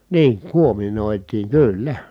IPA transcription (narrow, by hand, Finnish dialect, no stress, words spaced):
niːŋ kuominoˑitiːŋ kyˑylːæ